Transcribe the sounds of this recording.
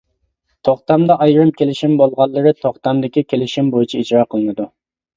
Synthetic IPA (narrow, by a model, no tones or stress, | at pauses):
t̪ʰoχt̪ɑmd̪ɑʔɑjɾɨmkʲelɪʃimbolˠʁɑlˠːəɾɨt̪ʰoχt̪ɑmd̪ɪkʲikʲʰelɪʃimbojit͡ʃʰiid͡ʒɾɑqʰəlˠɨnɨd̪u